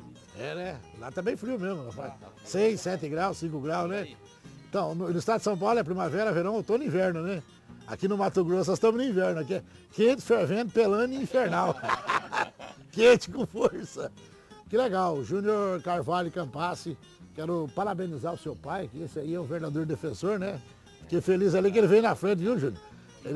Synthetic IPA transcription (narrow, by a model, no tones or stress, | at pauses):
ɛnɛlat̪abẽj̃fɾiwmezmʊafasejsɛt̪ɪɡɾawssĩkʊɡɾawznɛ | ẽt̪ɐ̃w̃nʊnʊist̪ad̪d̪ɪsɐ̃w̃p̬awlʊɛɐpɾĩmavɛɾɐaveɾɐ̃w̃et̪õnʊĩvɛɾnʊnɛ | a̰kinʊmat̪ʊɡɾosnɔzst̪ɐ̃mʊznʊ̃ĩvɛɾnʊakiɛ | kẽt̪ɪ̥feɾvẽt̪ʊpelɐ̃niĩfeɾnaw | kẽt͡ʃɪ̥kõfoɾsɐ | kɪleɡawʒũnioɾkaɾvalʊkɐ̃pasɪ | kɛɾʊpaɾabẽnizaɾʊsewpajkɪesɪaiɛũveɾd̪ad̪oɾd̪efẽsoɾnɛ | fi̥kefelizalik̬elɪvẽj̃nɐfɾẽnt͡ʃ̪ɪviʒũnjʊɾ | el